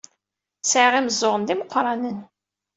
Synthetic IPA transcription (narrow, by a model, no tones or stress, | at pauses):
sʕʁiməzˤːʊʁənd̪iməqːɾˤɑnən